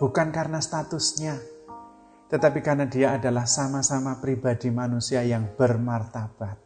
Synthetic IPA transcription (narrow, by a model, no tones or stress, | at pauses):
b̥ukankarnast̪at̪ʊsɲa | t̪ət̪apikanadiaːdalahsamasamapɾibadimanusiajaŋb̥ərmart̪ab̥at̪̚